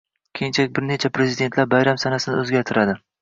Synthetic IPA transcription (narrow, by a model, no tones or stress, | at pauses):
kʲʰejɪnt͡ʃʰaɪk̚ʲbɪɾnet͡ʃʰapɾe̞zɪd̪e̞nt̪laɾbajɾamsanasɪnɪɵzɡʲaɾt̪ʰɪɾad̪ɪ